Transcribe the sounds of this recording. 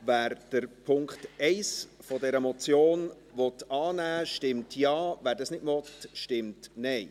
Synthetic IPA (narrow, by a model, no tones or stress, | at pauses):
væːɾd̥əɾpʰʊŋkχtɛɪsfɔdɛɾəmɔt͡sjoːn | ʋɔtɑːnæːʃtɪmtʰjɑːvæːɾdɑsnɪdmɔtʃtɪmtnɛɪ